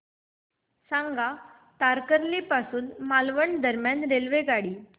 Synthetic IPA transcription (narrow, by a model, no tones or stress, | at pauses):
sãŋɡa | t̪aɾkəɾlipasuːnmalʋəɳd̪əɾmjanɾelʋeɡaɽiː